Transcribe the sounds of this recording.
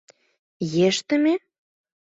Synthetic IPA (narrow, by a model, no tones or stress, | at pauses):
jeʃt̪ə̆me